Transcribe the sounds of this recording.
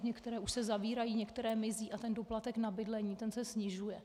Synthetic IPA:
ɲɛkt̪ɛɾɛːʔuʃsɛzaviːɾajiːɲɛkt̪ɛɾɛːmɪziːʔat̪ɛndoplat̪ɛknabɪdlɛɲiːt̪ɛnsɛsɲɪʒujɛ

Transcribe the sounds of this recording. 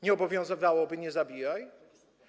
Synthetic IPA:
ɲɛɔbɔvʲjɔ̃w̃zɨvawɔbɘɲɛzabʲijaj

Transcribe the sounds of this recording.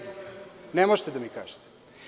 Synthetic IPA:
nemoʒt̪ed̪amika̰ːʒe̥t̪e̥

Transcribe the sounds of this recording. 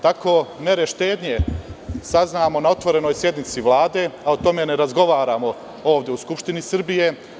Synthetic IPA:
t̪ako̞ːme̞ɾeʃt̪e̞ːd̪ɲe̞saznaːmo̞nao̞t̪ʋo̞ɾe̞no̞ːjsje̞d̪nit̪siʋlˠaːd̪e̞aot̪o̞me̞neɾazɡo̞ʋaːɾaːmo | o̞ːʋd̪jeuskupʃt̪inisrbije̞

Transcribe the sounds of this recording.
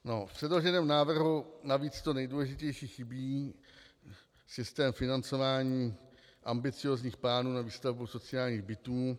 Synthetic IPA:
no̞fpr̥ɛdlo̞ʒɛnɛːmnaːvr̩ɦunaviːt͡st̪o̞nɛjduːlɛʒɪcɛjʃiːxɪbiː | sɪst̪ɛːmfɪnant͡so̞vaːɲiː | ʔambɪt͡sɪo̞ːzɲiːxplaːnuːnaviːst̪avbusot͡sɪaːlɲiːɣbɪt̪uː

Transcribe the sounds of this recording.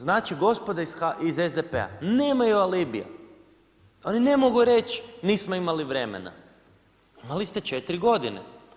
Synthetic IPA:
znaːt͡ʃiɡo̞spod̪aisaizezd̪epḛa̰neːmajualiːbija̰ | o̞nine̞moɡuɾet͡ʃniːsmoimaliʋɾe̞mḛna̰ | imalist̪et͡ʃet̪ɾiɡo̞d̪inḛ

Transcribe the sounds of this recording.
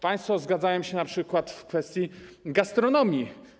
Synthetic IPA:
paj̃st̪fɔzɡad̪zajɔmɕɛnapʂɘkwat̪fkfɛst̪ʲjiɡast̪ɾɔnɔmʲji

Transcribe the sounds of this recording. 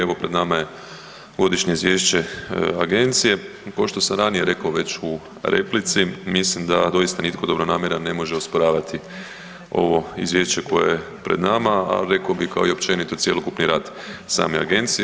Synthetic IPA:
eʋo̞pɾe̞d̪namaje̞ | ɡo̞d̪iʃɲeizʋje̞ːʃt͡ɕe̞aɡe̞nt̪sije̞ | kaoʃt̪o̞samɾanije̞ɾe̞kaoʋe̞t͡ɕu | ɾʔe̞̰plit̪simislimd̪ad̪o̞jist̪anit̪kod̪obɾonaːmjeɾane̞mo̞ʒeospoɾaːʋat̪i | o̞̰ʋo̞ḭzʋjeːʃt͡ʃe̞ko̞jeje | pɾe̞d̪namaa̰ɾe̞kaobixkaoio̞pt͡ʃe̞nit̪o̞t̪sje̞lokupniɾaːd̪ | sa̰ːmḛa̰ɡe̞nt̪sij

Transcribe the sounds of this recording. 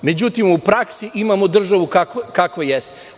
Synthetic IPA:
med͡ʑut̪imupɾaksiʔimamod̪r̩ʒaʋukakkakʋajest̪e

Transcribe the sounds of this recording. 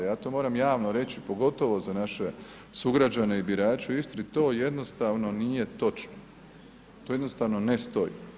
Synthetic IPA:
jaːt̪omo̞ːɾamjaːʋno̞ɾe̞t͡ɕipo̞ɡo̞t̪o̞ʋo̞zanaʃe̞ | suɡɾad͡ʒane̞ibiɾaːt͡ʃuist̪ɾit̪o̞ːjed̪no̞st̪aʋno̞nije̞t̪o̞t͡ʃno | t̪o̞ːjed̪nost̪aʋno̞nest̪o̞jḭ

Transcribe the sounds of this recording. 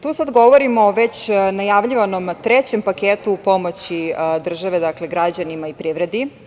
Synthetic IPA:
t̪uːsad̪ɡo̞ʋoɾimoːʋe̞t͡ɕnajaʋʎiʋano̞mt̪ɾet͡ɕempakeːt̪upo̞mo̞t͡ɕid̪r̩ʒaʋe̞d̪akle̞ɡɾad͡ʑanimaipɾiʋɾe̞d̪i

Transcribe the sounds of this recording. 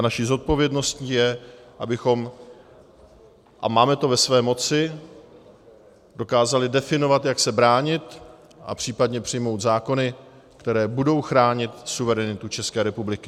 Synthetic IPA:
naʃizo̞t̪̚po̞vjɛdno̞stɲiːjɛʔabɪxo̞m | ʔa̰maːmɛt̪o̞vɛsvɛːmo̞t͡sɪ | do̞kaːzalɪdɛfɪno̞vat̪jaksɛbɾaːɲɪt̪ | ʔa̰pr̥iːpadɲɛpr̥ɪjmo̞wt̪zaːko̞nɪ | kt̪ɛɾɛːbudo̞wxɾaːɲɪt̪suvɛɾɛnɪt̪ut͡ʃɛskɛːɾɛpublɪkɪ

